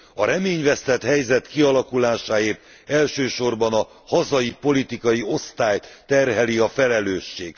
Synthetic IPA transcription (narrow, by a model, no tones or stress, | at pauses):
ɒɾɛmeːɲvɛst̪ɛt̪hɛjzɛt̪kiɒlɒkulaːʃaːeːrt̪ | ɛlʃøːʃo̞rbɒnɒ | hɒzɒjipo̞lit̪ikɒjio̞st̪aːjt̪ɛrɦɛliɒfɛlɛløːʃːeːɡ̥